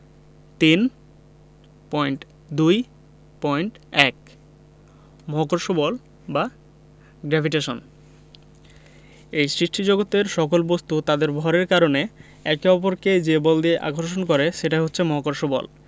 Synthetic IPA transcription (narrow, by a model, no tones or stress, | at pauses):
t̪in | pɔjɳʈ | d̪uj | pɔjɳʈ | ɛk | mɔɦokoɾʃobɔl | ba | ɡɾɛbʱiʈeʃon | ejsɾiʃʈʰid͡ʑoɡot̪eɾʃɔkolbost̪ut̪ad̪eɾbʱɔɾeɾkaɾone | ɛkeɔpoɾked͡ʑebɔld̪ieʔa̰ɡʱoɾʃ̬onkoɾeʃeʈaɦotːɕʰemɔɦokoɾʃobɔ̰l